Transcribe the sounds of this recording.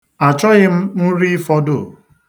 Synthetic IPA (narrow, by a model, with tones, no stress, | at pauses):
a˨t͡ʃɔ˦ɣɪ˦m̩˦n̩˦ɾi˦fɔ˦do˦˨